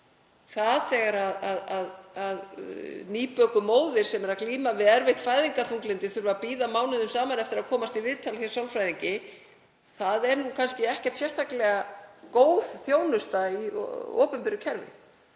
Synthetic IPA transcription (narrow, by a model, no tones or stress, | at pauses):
θaðθɛːɣaɾaðaðaðaðniːpœkʏmoːwðɪɾ̥sɛmɛɾakliːmavɪðɛɾvɪht̪faːjðiŋkaθuŋklɪnt̪ɪθʏɾvapiːðamaːwnɪðʏmsaːmanɛft̪ɪɾaðkʰɔːmast̪ivɪðt̪ʰalçjɛɾ̥sawlfɾajðiɲcɪ | θaðɛɾnukʰanscɪɛhcɛ̥t̪sjɛst̪ʰaklɛɣakoːwð̥θjoːwnʏst̪aḭo̰ːpʏmpɪɾʏcʰɛɾvɪ̰